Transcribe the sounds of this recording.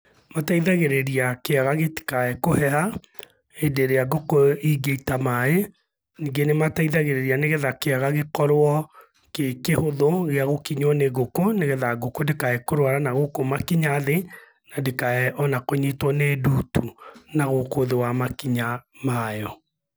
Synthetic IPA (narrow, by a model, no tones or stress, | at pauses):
mataiðaɣeɾeɾiakeaɣaɣeti̥kaɛkohɛha | edeɾeaɡokoiɡeitamae | niɡenemataiðaɣeɾeɾianeɣeðakeaɣaɣekɔɾwɔ | kekehoðoɣeaɣokiɲwɔneɣokoneɣɛðaɡokodekaɛkoɾwaɾanaɣokomakiɲaðe | nadekaɛʔɔnakoɲitwɔneduːtunaɣokoðewamakiɲamajɔ